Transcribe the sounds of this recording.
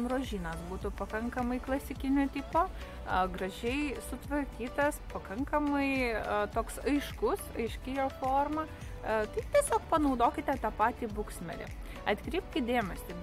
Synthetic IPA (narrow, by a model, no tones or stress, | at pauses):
mroːʒʲiːnɐsbuːt̪ʊpɐkɐŋkɐmɐɪklˠɐsʲɪkʲɪnʲoːt̪ʲipoː | ɡrɐʒʲɛɪsʊt̪ʋɐɾʲkʲiːt̪ɐspɐkɐŋkɐmɐɪt̪oːksɐɪʃkʊsɐɪʃʲkʲɪjoːfoːrmɐ | t̪ɐɪt̪ʲiɛsʲoːkpɐnɐʊd̪oːkʲɪt̪ʲɛt̪ɑːpɑːt̪ʲiːbʊksʲmʲɛ̰ɾʲɪ̰ | ɐt̪ʲkɾʲiːpʲkʲɪtd̪ʲeːmʲɛsʲɪ